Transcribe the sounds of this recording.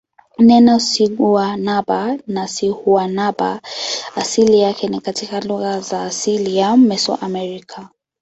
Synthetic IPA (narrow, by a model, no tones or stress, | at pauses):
nɛnɔsiɡuanabanasihuanaba̰asilijakɛnikatikaluɣazaːsilijammːɛsɔ̰ʔamɛɾikʰa